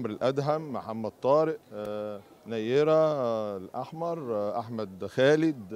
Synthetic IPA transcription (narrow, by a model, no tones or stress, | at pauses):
mɾelʔæd̪ɦæmːħamːæd̪̥̚t̪ˤːɑːɾeʔ | næjeɾælʔɑħmɑɾˤʔaħmæd̪xæːled̪